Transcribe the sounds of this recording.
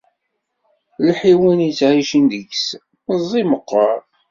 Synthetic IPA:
lħiwənjət͡sːʕiʃənd̪əʝs | zˤːiməqːəɾˤ

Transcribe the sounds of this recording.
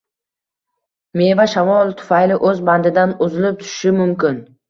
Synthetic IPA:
me̞vaʃavɒlˠt̪ʰʊ̥fajlɪʔɵzband̪ɪd̪anʊzɪlɪp̚t̪ʰʊ̥ʃɪ̥ʃɪmʊmkʲɪn

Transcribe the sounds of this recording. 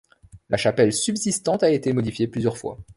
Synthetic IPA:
laʃapɛlsybzist̪ɑ̃t̪aet̪emɔd̪ifjeplyzjœʁfwa̰

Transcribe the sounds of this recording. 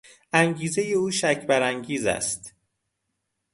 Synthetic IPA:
ʔæŋɟiːze̞je̞uːʃæcʰbæɾæŋɟiːzæ̰st̪

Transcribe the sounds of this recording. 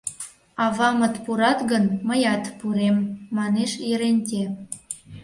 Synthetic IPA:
ɑβɑmət̪puɾɑt̪ɣənməjɑt̪puɾemːɑneʃjəɾenʲt̪ʲe

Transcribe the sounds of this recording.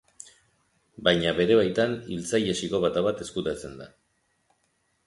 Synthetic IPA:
bajɲaβe̞ɾe̞βajt̪anilt͡sajesiko̞βat̪aβat̪e̞skut̪at͡se̞nd̪a̰

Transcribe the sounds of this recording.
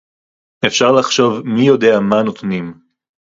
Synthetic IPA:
e̞fʃaʁlaχʃo̞vmijo̞de̞amanot̪nim

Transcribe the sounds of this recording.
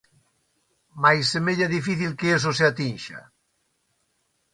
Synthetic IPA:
majsemeʎaðifiθilkeesoseat̪inʃa̰

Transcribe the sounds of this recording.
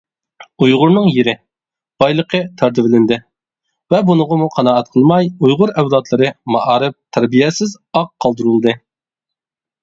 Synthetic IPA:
ujʁʊɾnɨŋjeɾɪ | b̥ɑjlˠəqʰət̪ʰɑɾt̪ɪvɪlɪnd̪ɪ | vɛbunəʁəmuqʰɑnɑːɛt̪̚qʰəlˠmɑjujʁʊɾɛwlɑt̪lˠɨɾɨmɑʔɑːɾɨp̚t̪ʰæɾbijɛsɪz | ɑqʰːɑlˠd̪uɾulˠɨd̪ɨ

